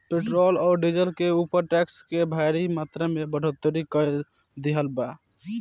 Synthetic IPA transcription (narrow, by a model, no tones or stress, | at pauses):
peʈɾolɔːɾɖid͡ʒəlkeupəɾʈɛkskebʱaɪɾimat̪ɾamebəɽ̤ʱət̪ːəɾikə | d̪iɦəlba